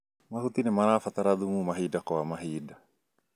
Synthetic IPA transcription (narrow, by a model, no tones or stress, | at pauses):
mahut̪inɪmanafat̪aɾaðumumaɦidakɔamaɦida